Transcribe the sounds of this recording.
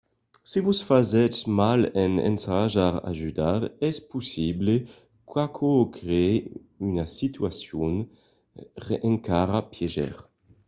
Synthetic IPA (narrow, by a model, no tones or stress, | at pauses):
sevusfazɛt͡ʃmalɛnḛnt̪aʒaʁa̰ʒyd̪aʁɛspusible | kwakʰokɾee | ynasit̪yasjun | ʁeʔẽŋkaɾapjɛʒɛ̰ʁ